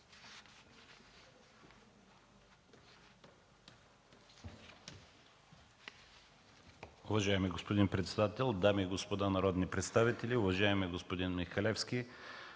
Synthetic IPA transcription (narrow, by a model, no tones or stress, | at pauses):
ʊvɐʒaɛmiɡospod̪inpɾɛt̪sɛd̪at̪ɛlˠd̪amiːɡospod̪anɐɾɔd̪nipɾɛt̪st̪avit̪ɛlʲiʊvɐʒaɛmɛɡospod̪inmixɐlɛfskʲi